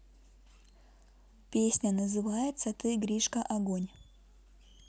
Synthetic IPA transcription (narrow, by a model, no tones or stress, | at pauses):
pʲesʲnʲənəzɨvajɪt̪sət̪ɨɡɾʲiʂkəʔɐɡonʲ